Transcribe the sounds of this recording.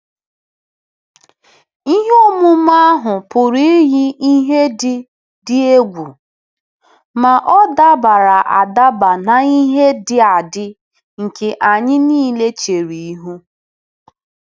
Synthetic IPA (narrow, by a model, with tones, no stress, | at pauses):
i˦ɦe˦o˦mʊ˦m˦a˦ɦʊ˨pʊ˨ɾi˦ɦi˦i˦ɦe˦dɪ˦ | dɪ˦e˦ɡʷu˨ | ma˨ʔɔ˦da˦ba˨ɾa˨ʔa˨da˦ba˨na˨i˦ɦe˦dɪ˦a˨dɪ˦ | ŋ̩˨ke˨ʔa˨ɲɪ˦niː˦le˦t͡ʃe˨ɾi˨i˦ɦu˦